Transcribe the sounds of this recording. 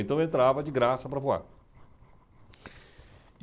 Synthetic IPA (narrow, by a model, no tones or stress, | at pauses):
ẽnt̪ɐ̃w̃ẽnt̪ɾavɐd͡ʒɪɡɾasɐpɾɐvoa̰ɾ